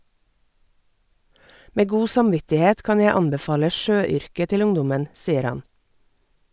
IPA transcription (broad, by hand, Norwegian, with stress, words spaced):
ˈmeː ˈɡuː sɑmˈʋɪtɪˌheːt ˈkɑn ˈjæ ˈɑnbɛˌfɑːlə ˈʃøːˌʏɾkə ˈtɪl ˈʊŋdʊmən ˈsiːəɾ ˈhɑn